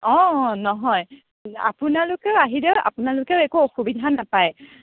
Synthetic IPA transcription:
ɔ̃nɔɦɔj | a̰pʊnalʊkɛʊaɦidɛʊa̰pʊnalʊkɛʊɛkuɔxubidʱanapaj

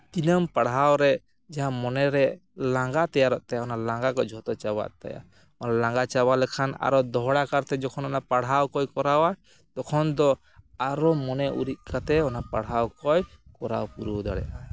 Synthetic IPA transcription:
t̪inəmpaɽ̤awɾɛʔ | d͡ʒaɦamɔnɛɾɛʔlaŋɡat̪ɛjaɾɔʔ̚t̪ajaɔnalaŋɡakɔd͡ʒʱɔt̪ɔt͡ʃaba̰ʔt̪a̰ja̰ | ɔnalaŋɡat͡ʃabalɛkʰana̰ɾɔd̪ɔɦɽakaɾt̪ɛd͡ʒɔkʰɔnɔnapaɽ̤ɦawkɔjkɔɾawa | d̪ɔkʰɔnd̪ɔ | aɾɔmɔnɛʔṵɾit̪̚kat̪ɛɔnapaɽɦawkɔjkɔɾawpuɾud̪aɽɛ̰ʔa

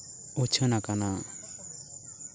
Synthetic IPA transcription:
ɔt͡ʃʰənakana

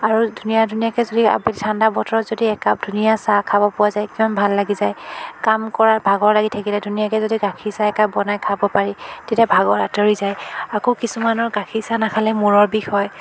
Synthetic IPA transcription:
aɹudʱunijadʱunijakɛzodia̰bɛlitʰandabɔtɔɹɔtzodiɛkad̥ʱunijasakʰabɔpʊazajkimanbʱalːaɡizajkamkɔɹabʱaɡɔɹlaɡitʰakilɛdʱunijakɛzodiɡakʰisaɛkabɔnajkʰabɔpaɹitetiabʱaɡɔɹatɔɹizajakokisumanɔɹɡakʰisanakʰalɛmuɹɔɹbixʰɔj

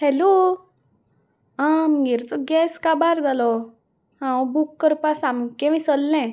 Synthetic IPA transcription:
hɛlo | ãmɡiɾt͡sɔɡɛskabaɾd͡zalɔ | hãbukːəɾpasamkɛ̃ʋĩsəlːɛ̃

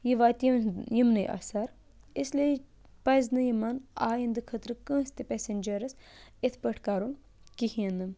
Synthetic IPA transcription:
jiʋaːt̪jimnɐjʔa̰saɾ | isle | pɐjznɨjimɐna̰ːjind̪ɨkʰɐt̪ɾɨkə̃ːst̪ipesenʲd͡ʒɐɾɐs | et̪ʰpəʈʰkaːɾun | kihiɐnːɨm

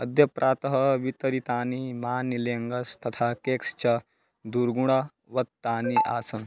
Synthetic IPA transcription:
ɐd̪ʱjɐpɾʔaːt̪ɐɦɐʋit̪ɐɾit̪aːnimaːnileŋɡɐst̪ɐt̪ʰakekst͡ʃa | d̪uɾɡuɽ̃a | ʋɐt̪t̪ːaːniʔa̰ːsɐn

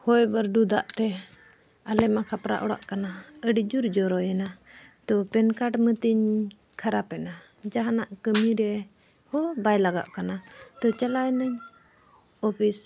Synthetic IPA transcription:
hɔjbəɾɖud̪aʔt̪ɛ | alɛmakʰapɾa̰ʔɔ̰ɽa̰ʔkanaəɖid͡ʒuɾd͡ʒɔɾɔjɛnat̪ɔpɛnkaʈmət̪iɲ | kʰaɾapɛna | d͡ʒaɦanaʔkəmiɾɛ | hɔbajlaɡa̰ʔkanat̪ɔt͡ʃalajnəɲ | ɔpʰis

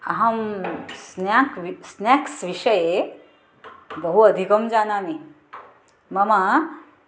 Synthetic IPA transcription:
ɐɦɐmsnjakʋisnjaksʋiʂɐje | bɐɦuɐd̪ʱikɐmd͡ʑanani | mɐma

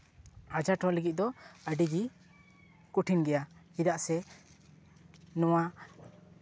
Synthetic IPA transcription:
ad͡ʒaʈɔləɡit̪̚d̪ɔəɖiɡi | kuʈʰinɡɛja | id̪aʔsɛ | nɔwa

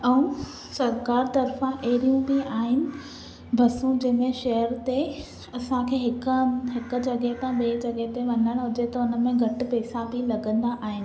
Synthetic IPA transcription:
ɛ̃ũ | sɐɾkaːɾt̪ɐɾfãʔeːɾijũbiaːɦɪnɪ̆ | bʱɐsũd͡ʑɐ̃ɦmẽʃɐɦəɾt̪e | ɐsãkʰeːɦɪkɦɪkʊ̆d͡ʑɐɠet̪ãɓeːd͡ʑɐɠet̪eʋɐ̃nəɽ̃ɦʊd͡ʑet̪ɐʊnəmẽɡʱɐʈ̆pɛːsãbʱɪlɐɡə̃nd̪aʔaːɦɪnɪ̆

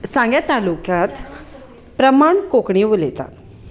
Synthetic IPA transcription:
sãŋɡjat̪alukjat̪ | pɾəmaɳkokɳiʋolet̪a̰t̪

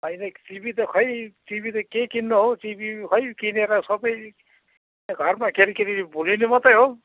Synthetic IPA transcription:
ajnetibʱit̪ɔkʰʌjtibit̪ɔkekinːɔɦotibikʰʌjkineɾasɔbʌj | ɡʱʌɾmakeɾikeɾibulinimɔt̪ajɦo

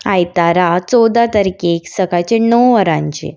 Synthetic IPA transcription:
ajt̪aɾat͡sɔd̪at̪əɾikeːksəɡat͡ɕenəwʋəɾãɲt͡ɕḛ

